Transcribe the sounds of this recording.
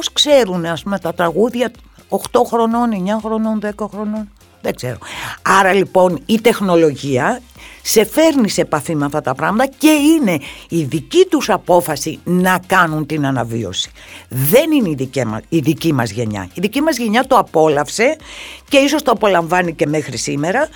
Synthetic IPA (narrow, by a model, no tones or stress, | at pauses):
poskse̞ɾuneɐspume̞t̪ɐt̪ɾɐɣuðʝɐ | oxt̪o̞xɾo̞noneɲɐxɾono̞nðe̞kɐxɾo̞no̞n | ðeɡz̥e̞ɾo̞̰ɐɾɐlipo̞nit̪e̞xno̞lo̞ʝiɐse̞fe̞ɾnisepɐθimɐft̪ɐt̪ɐpɾɐɣmɐt̪ɐce̞ine̞iðicit̪usɐpo̞fɐsinɐkɐnunt̪inɐnɐvḭo̞̰si̥ðe̞nineiðicemɐ̰iðicimɐzʝe̞̰ɲɐ̰iðicimɐzʝe̞ɲɐt̪o̞ɐpo̞lɐfse̞ce̞iso̞st̪oɐpo̞lɐɱvɐnice̞mexɾisime̞ɾɐ